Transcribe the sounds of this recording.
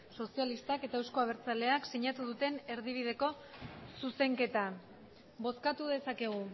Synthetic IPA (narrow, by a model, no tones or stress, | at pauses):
so̞sialist̪ake̞t̪aewsko̞aβ̞e̞ɾt͡sale̞aksiɲat̪uðut̪e̞ne̞ɾðiβ̞ið̞e̞ko̞ | suse̞ŋke̞t̪a | bo̞skat̪uð̞e̞sake̞ɣ̞u